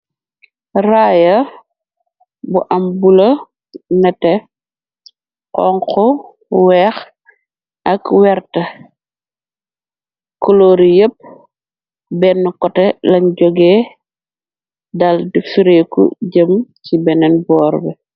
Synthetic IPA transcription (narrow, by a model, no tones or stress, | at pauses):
raːjɐ | buʔɐmbulɐ | nɛtɛ | qɔŋkɔ | wɛːx | ʔɐkwɛɾtɐ | kɔloːɾijəp̚ | bɛnːukɔtɛlɐnɟɔɡɛː | dɐldifiɾekṵɟəmcibɛnɛnbɔːɾbɛ